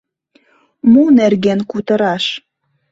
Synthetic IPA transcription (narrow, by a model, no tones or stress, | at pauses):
munerɣenkut̪ə̆ɾɑʃ